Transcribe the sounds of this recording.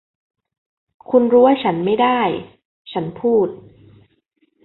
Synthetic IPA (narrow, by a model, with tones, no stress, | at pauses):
kʰu˧nɾuː˦˥wa˥˩t͡ɕʰa˦˥nma˥˩jdaː˥˩j | t͡ɕʰa˦˥npʰuː˥˩t̪̚